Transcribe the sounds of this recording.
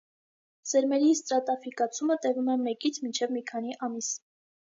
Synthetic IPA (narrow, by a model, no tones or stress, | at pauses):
zɛɾmɛɾist̪ɾɑt̪ɑfikɑt͡sʰumət̪ɛvumɛmɛkit͡sʰmint͡ʃʰɛvmikʰɑniʔɑmis